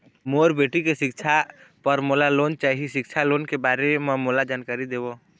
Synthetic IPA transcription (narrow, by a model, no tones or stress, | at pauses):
moːɾbeːʈikeʃɪkt͡ʃʰapəɾmoːlaloːnt͡ʃaːɦiʃɪkt͡ʃʰaloːnkebaːɾememoːlad͡ʒaːnkaːɾid̪eːbo